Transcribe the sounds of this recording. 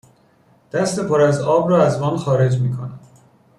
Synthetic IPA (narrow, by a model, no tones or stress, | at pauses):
d̪̥æst̪epʰoɾæzɒːbɾɒːæzmɒːnxɒːɾe̞d͡ʒmiːkʰonæ